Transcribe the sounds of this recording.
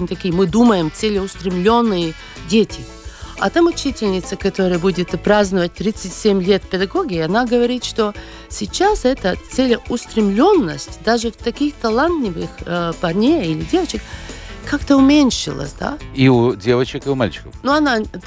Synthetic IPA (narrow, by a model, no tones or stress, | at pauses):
nʲɪt̪ɐkʲijəmɨd̪uməjɪmt̪sɛlʲɪʊst̪ɾʲɪmlʲo̞nːɨjə | dʲetʲɪ | ɐ̰t̪amʊt͡ɕitʲɪlʲnʲɪt̪səkɐt̪oɾəjəbudʲɪt̪pɾaznɨvət̚ʲt̪ɾʲit̪sɨtʲsʲemʲlʲet̪pʲɛd̪ɐɡoɡʲiɪɐnaɡəvɐɾʲit̪ʂt̪o | sʲɪt͡ɕasɛt̪ət̪selʲʊst̪ɾʲɪmlʲo̞nːə̰sʲtʲd̪aʐɨft̪ɐkʲixt̪ɐlˠant̪lʲɪvɨxpɐrnʲeilʲɪdʲe̞vət͡ɕɪkkːakt̪əʊmʲenʲʂɨ̰lˠə̰sʲd̪a̰iudʲevət͡ɕɪkɪʊmalʲt͡ʃɪ̥kəfnuɐna